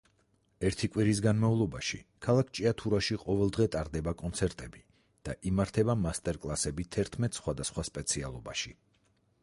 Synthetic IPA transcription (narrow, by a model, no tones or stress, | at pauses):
ɛɾt̪ʰikʼwiɾisɡanmaulˠɔbaʃikʰalˠakʰt͡ʃʼiat̪ʰuɾaʃiqʼɔvɛlˠd̪ʁɛt̪ʼaɾd̪ɛbakʼɔnt̪sʰɛɾt̪ʼɛbi | d̪̥aʔimaɾt̪ʰɛbamast̪ʼɛɾkʼlˠasɛbit̪ʰɛɾt̪ʰmɛt̪ʼsχwad̪asχwaspʼɛt̪sʰia̰lˠɔbaʃi